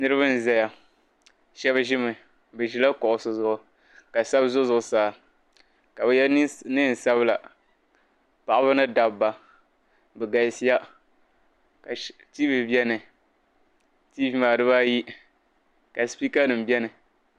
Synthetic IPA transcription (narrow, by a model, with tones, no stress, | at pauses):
nɨ˦ɾɨ˦βɨ˦n˨zɛ˦ja˨ | ʃɛ˦βʒɪ˦mɨ˨ | bɨ˨ʒi˦la˦kɔ˨ʔʊ˨sʊ˨zʊ˦˨ʔʊ˨ | ka˨sa˦bzʊ˦zʊ˦ʔʊ˨saː˦˨ | ka˨bɛ˨jɛ˦nɨ˦n̩˨sa˦βɨ˦la˨ | pa˨ʔa˦bɨ˦nɨ˦da˨bba˨ | bɛ˨ɡa˨si˦ja˦ | ka˨ | ti˦vi˨bɛ˦nɨ˨ | tiː˦vi˦ma˨dɨ˦ba˦ji˦ | ka˨spi˦ka˦nɨ˨m˨bɛ˦nɨ˨